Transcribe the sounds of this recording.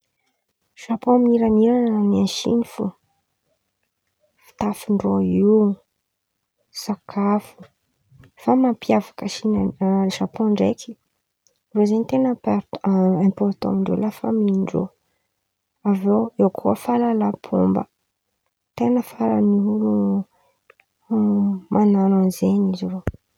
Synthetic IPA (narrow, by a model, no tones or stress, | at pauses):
ʃapominiɾaniɾanənianʃḭnifu | fi̥t̪afuɳɖ͡ʐoi | sakʰafu̥ | famampiavḁkəʃinaʃapoɳɖ͡ʐekʰi̥ | rozenit̪enpaɛ̃mpɔɾt̪ɔ̰miɳɖ͡ʐḛlafəmiɳɖ͡ʐo̰ | avoewkʰuəfalalapʰo̰mbə̰ | t̪enəfaɾa̰niulu | mʔanananzeɲiziro